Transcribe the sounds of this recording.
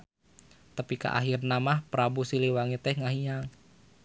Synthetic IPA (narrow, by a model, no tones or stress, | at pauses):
t̪apika̰ʔa̰ɦirnamahpɾabusiliwaŋit̪ɛhŋaɦiɲaŋ